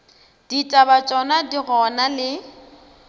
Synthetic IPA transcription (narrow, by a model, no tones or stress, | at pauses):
d̥itʼabat͡ʃʼɔnadiɣɔnalɪ